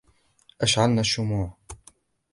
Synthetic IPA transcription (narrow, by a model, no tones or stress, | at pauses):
ʔaʃʕalnaʃːʊmuːʕ